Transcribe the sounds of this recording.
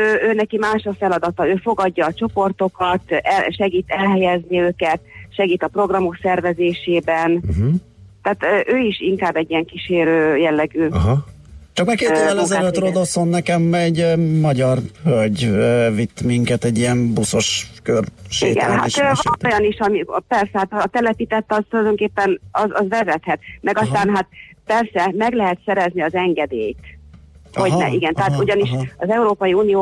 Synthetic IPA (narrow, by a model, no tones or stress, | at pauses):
øːøːnɛkimaːʃɒfɛlɒd̪ɒt̪ɒøːfo̞ɡɒɟːɒːt͡ʃo̞po̞rt̪o̞kɒt̪ɛʃɛɡiːt̪ɛlɦɛjɛzniøːkɛt̪ʃɛɡiːt̪ɒpro̞ɡrɒmo̞ksɛrvɛzeːʃeːbɛnɦ | t̪ɛːt̪ːʔøːiʃiŋkaːbɛɟːijɛŋkiʃeːɾøːjɛlːɛɡyːɦ | t͡ʃɒkmakeːt̪ːøvɛlɛzɛlørod̪olso̞nːɛkɛmɛɟmɒɟɒrhølɟøvit̪ːmiŋkɛt̪ɛɟːijɛmbuso̞ʃkørʃeḭːɡɛ̰nɦa̰ʃɒnojɒniʃɒmipɛrsɛhaːt̪ːt̪ɛlɛpit̪ɛt̪ːɒzt̪ulɒjd̪o̞ŋkeːpːɛnɒzɒzʋɛzɛt̪hɛt̪mɛɡɒst̪aːnɦat̪̚pɛrsɛmɛɡlɛɦɛt̪sɛɾɛzniɒzɛŋɡɛd̪eːjt̪ | hoɟnɛ̰ʔiɡɛnt̪ɛɦaːuɟɒniʃɒzɛuɾoːpɒjiuːnijoː